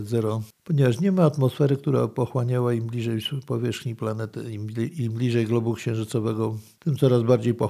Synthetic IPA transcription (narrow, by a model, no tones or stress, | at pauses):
zɛɾɔpɔɲɛvaʂɲɛmaːt̪mɔsfɛɾɘkt̪uɾa̰pɔxwaɲawaimblʲiʐɛjpɔvʲjɛʂxɲiplanɛt̪ɘ̰iiblʲiʐɛjɡlɔbukɕɛ̃w̃ʐɘtsɔvɛɡɔt̪ɘmt̪sɔɾazbaɾd͡ʑejpɔ